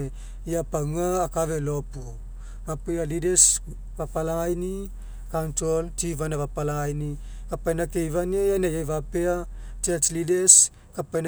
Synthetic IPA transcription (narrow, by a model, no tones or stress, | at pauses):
japaŋaːkavelopu | mapealides | vapalaajni | kantɾoltivanavapalaajni | kapajnakejvaniajanajajvapeat͡ʃat͡ʃlides | kapajn